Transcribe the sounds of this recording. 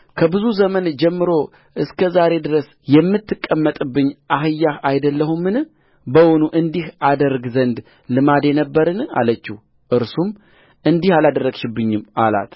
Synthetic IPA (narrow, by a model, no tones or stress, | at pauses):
kʰəbɨzuzəmənd͡ʒɛmːɨɾo | ʔɨskʰəzaɾe̞d̪ɨɾəs | jɛmːɨt̪ːɨkʼːəmːət̪ʼɨbːɨɲːʔaɦɨjːahajd̪əlːəhumɨn | bəwonuʔɨnd̪ihʔad̪əɾɡzənd̪ | lɨmad̪enəbːəɾɨna̰lət͡ʃːih | ʔɨɾsum | ʔɨnd̪ihalad̪ərːəɡʃɪbːɨɲːɪmala̰t̪